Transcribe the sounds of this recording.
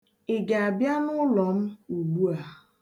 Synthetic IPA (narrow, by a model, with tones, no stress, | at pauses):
ɪ˨ɡe˨a˨bja˦nʊ˦lɔ˨m̩˦u˨lu˦a˨